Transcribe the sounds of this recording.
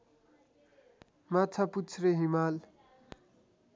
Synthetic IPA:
mat͡sʰaput͡sʰreɦimal

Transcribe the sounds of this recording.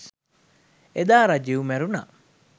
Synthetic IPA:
ed̪aːɾad͡ʒiumɛɾuna̰

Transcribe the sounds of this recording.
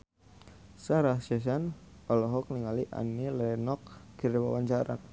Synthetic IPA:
saɾaʃɛs̬an | ɔlɔɦɔk̚niŋaliʔa̰nilɛnɔk̚kiriwawaɲt͡ʃaɾa̰n

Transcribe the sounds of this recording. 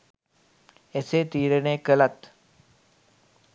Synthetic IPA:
eseːt̪iːɾənẽːkələt̪

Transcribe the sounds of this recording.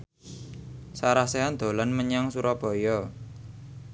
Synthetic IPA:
saɾaseand̪̥o̤lanməɲaŋsuɾɔb̥ɔ̤jɔ

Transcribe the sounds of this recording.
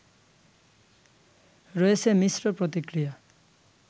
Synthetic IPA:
ɹojesemisɾɔpɹɔt̪ikɾija

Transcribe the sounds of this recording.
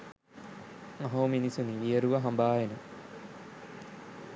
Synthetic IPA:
ɐɦoːminisuniʋijɐɾuʋɐɦɐmbaːjenɐ

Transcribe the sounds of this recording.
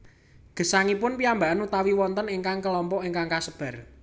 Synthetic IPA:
ɡ̥ə̤saŋipʊnpiambaʔanut̪awiwɔnt̪əniŋkaŋkəlɔmpɔʔiŋkaŋkasəb̥a̤r

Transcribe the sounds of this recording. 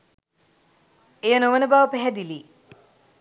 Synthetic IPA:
ejɐnoʋɐnɐbaːʋɐpɛɦɛd̪ili

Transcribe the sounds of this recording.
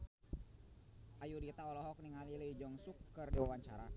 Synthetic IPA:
ʔajudit̪aɔlɔɦɔk̚niŋaliləid͡ʒɔŋsukːɨrdiwawaɲt͡ʃaɾa

